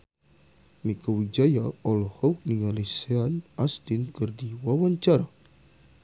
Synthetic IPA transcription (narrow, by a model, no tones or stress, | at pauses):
mikɔwid͡ʒajaɔlɔhɔuk̚niŋaliseanast̪ɪnkɨrdiwawaɲt͡ʃaɾa